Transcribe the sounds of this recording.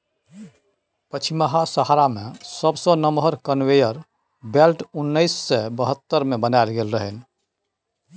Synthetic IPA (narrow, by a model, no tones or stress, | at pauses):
pət͡ʃʰiməɦasəɦaɾamesəbsə̃nəmɦəɾkənʋejəɾ | belʈunːəjsːɛbəɦət̪ːəɾmebənaɪlɡelɾəɦɛn